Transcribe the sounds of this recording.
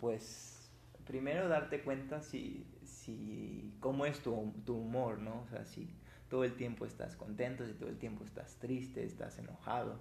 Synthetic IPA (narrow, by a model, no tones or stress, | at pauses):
pwe̞s | pɾime̞ɾo̞ðaɾt̪e̞kwe̞nt̪asḭ | siko̞mo̞e̞st̪ut̪uumo̞ɾno̞sḛasḭ | t̪o̞ðoe̞lt̪je̞mpo̞e̞st̪a̰sko̞nt̪e̞nt̪osit̪olt̪je̞mpo̞est̪ast̪ɾist̪e̞ːst̪a̰se̞no̞xað̞o̞̰